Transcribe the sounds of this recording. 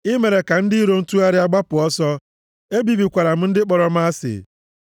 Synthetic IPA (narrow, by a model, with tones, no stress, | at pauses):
ɪ˦me˨ɾe˨ka˨n̩˦dɪ˦i˦ɾo˦n̩˦tu˦a˦ɾɪ˦a˦ɡ͡ba˦pʊ˨ɔ˦sɔ˦ | e˦bi˨bi˨kʷa˨ɾa˨m̩˦n̩˦dɪ˦k͡pɔ˨ɾɔ˦m̩˦a˦sɪ̰˨